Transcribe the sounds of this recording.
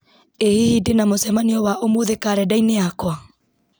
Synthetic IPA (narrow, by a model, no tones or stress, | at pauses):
ehihidenamosɛmaniɔwaʔomoðekaɾɛdaineakwa